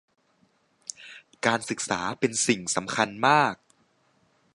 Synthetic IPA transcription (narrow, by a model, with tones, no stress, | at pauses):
kaː˧nsɯ˨˩k̚saː˩˦pe˧nsi˨˩ŋsa˩˦mkʰa˧nmaː˥˩k̚